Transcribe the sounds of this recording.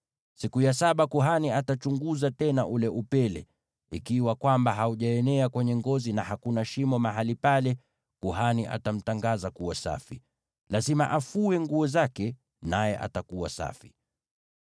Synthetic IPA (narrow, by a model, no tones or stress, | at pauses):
sikujasaɓakuɦaniatat͡ʃuŋɡuzatɛnaʔulɛʔupɛlɛ̰ | ḭkiwakwambaɦauʄaɛnɛakwɛɲɛŋɡɔzinahakunaʃimɔmaɦalipalɛ | kuɦaniʔa̰tam̩taŋɡazakuwasa̰fi | lazimaʔafuɛŋɡuɔzakɛ | najɛʔa̰takuwa̰sa̰fi̥